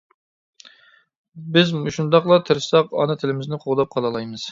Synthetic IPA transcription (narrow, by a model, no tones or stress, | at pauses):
bɪzmuʃund̪ɑqlˠɑt̪ʰɪɾsɑqɑ̰nɨt̪ʰɪlɪmɪznɪqʰoʁd̪ɑp̚qʰɑlˠɑlˠɑjmɨz̥